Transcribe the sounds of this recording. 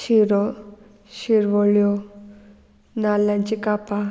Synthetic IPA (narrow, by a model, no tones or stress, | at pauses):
ɕiɾɔ | ɕiɾʋɔɭjo | nalːãɲt͡ɕikapa